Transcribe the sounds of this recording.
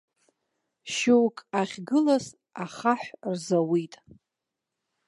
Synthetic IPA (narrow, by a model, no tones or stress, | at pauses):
ʃewkʼaχʲɡɨlas | aχaħʷrzawitʼ